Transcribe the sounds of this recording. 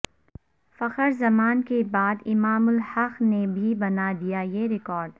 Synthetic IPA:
fɐqəɾzɐmaːnkebaːd̪ɪmaːmʊlhɐqnebʱibɐnad̪ijajeɾɪkɔːɾɖ

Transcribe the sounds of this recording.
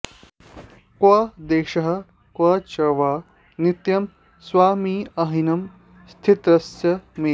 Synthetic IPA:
kwaːd̪eːʃɐɦɐ̆ | kʋaːt͡ʃɐʋaː | nit̪jɐm | sʋaːmiːɐɦinɐm | st̪ʰit̪ɾɐsjɐmeː

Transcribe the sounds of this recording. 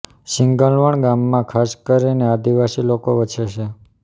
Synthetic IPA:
ʃɪŋɡəlʋəɳɡamːãkʰaskəɾinead̪iʋasilokoʋət͡ʃʰeʃe

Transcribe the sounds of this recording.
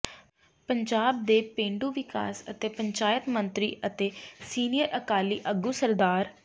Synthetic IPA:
pəɲd͡ʒaːb̚d̪eːpẽːɳɖuːʋɪka̰ːsət̪eːpəɲt͡ʃaːjət̪mənt̪ɾḭːʔət̪eːsiːnijəɾʔəkaːliːʔəɡuːsəɾd̪aːɾ

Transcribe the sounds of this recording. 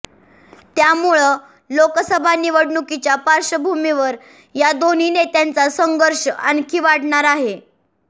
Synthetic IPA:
t̪jamuɭə | lokəsəbʱaniʋəɽɳukit͡ɕjapaɾʂəbʱumiʋəɾ | jad̪on̤iːnet̪jant͡sasəŋɡəɾʂəankʰiːʋaɽɳaɾaɦe

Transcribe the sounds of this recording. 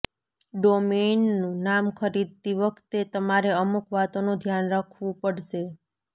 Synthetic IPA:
ɖomenːũnamkʰəɾid̪̚t̪iʋəkʰt̪et̪əmaɾeəmukʋat̪onũd̪ʱjanɾakʰʋũpəɽʃe

